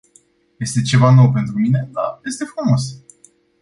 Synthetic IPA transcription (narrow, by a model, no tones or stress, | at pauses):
je̞st̪e̞t͡ʃe̞vano̞wpe̞nt̪ɾumine̞d̪a̰je̞st̪e̞fɾumo̞s